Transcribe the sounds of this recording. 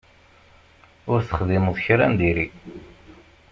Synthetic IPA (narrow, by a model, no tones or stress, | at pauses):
ʊɾθə̥χðiməðˤçɾænd̪iɾi